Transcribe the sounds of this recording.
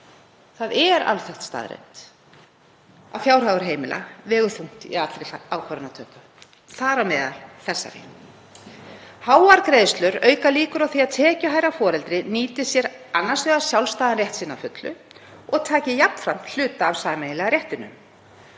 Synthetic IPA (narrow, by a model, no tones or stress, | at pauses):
θaðɛɾa̰lθɛht̪st̪a̰ːðɾḛjn̥t̪ | a̰vfjawɾ̥aɣʏɾ̥ɦeːjmɪlʔa̰vɛːɣʏθuŋ̥t̪iat̪ɾejaːwkʰvaɾanat̪ʰœːkʏ | θaːɾamɛːða̰lθɛsːa̰ɾɪ̰ | haːwaɾkɾejðst̪lʏɾœːɥkaliːkʏɾawθiaðt̪ʰɛːcʏɦaːjɾafɔːɾɛlt̪ɾɪniːt̪ɪsjɛɾanːasvɛːɣḁsjawlst̪aːðanrjɛht̪sɪnːafʏt̪lʏ̰ | ɔɣt̪ʰaːcɪjap̚n̥fɾam̥l̥ʏːt̪aːvsaːmejɪlɛɣaɾjɛht̪ɪnːʏ̰m